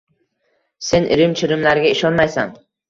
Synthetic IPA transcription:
se̞nʔɪ̰ɾɪmt͡ʃʰɪɾɪmlaɾɡʲaɪʃɒnmajsa̰n

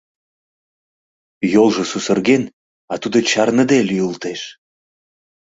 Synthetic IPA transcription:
jolʒə̆susərɣen | ɑt̪ud̪ŏt͡ɕɑrnəd̪elyult̪eʃ

